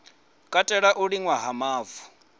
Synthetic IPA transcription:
kʼatʼɛɺaʔuɺiŋwaɦamaːvu̥

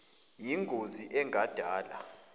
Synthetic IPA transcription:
jiŋɡʱoziʔɛŋʱad̥ʱaːla

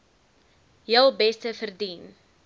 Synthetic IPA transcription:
jəlˠbɛstəfərdin

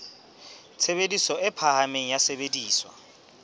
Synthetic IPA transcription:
t͡sʰebedisɔɪpʰahameŋ̩jasebediːswa̰

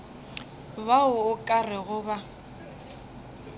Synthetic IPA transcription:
baʊʊkʼarɪɣʊba

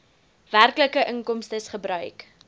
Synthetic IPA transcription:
værkləkəʔəŋkɔmstəsχəbrœɥk

